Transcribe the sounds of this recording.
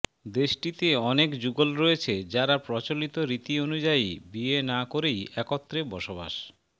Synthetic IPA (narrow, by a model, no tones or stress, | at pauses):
d̪eʃʈit̪eɔnekd͡ʑuɡolɾoet͡ɕʰed͡ʑaɾapɾɔt͡ɕolit̪oɾit̪ionud͡ʑaibienakoɾejɛkot̪ːɾebɔʃoba̰ʃ